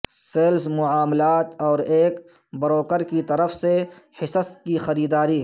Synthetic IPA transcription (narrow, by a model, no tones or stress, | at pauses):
seːlsmʊʕaːmlaːt̪ɔːɾeːk | bɐɾoːkəɾkit̪ɐɾəfsehɪsəskixɐɾiːd̪aːɾi